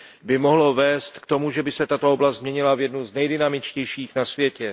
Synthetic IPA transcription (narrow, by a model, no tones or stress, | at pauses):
bɪmoɦlo̞vɛːst̪kt̪o̞muʒɛbɪsɛt̪at̪ooblastzmɲɛɲɪlavjɛdnuznɛjdɪnamɪt͡ʃcɛjʃiːxnasvjɛcɛ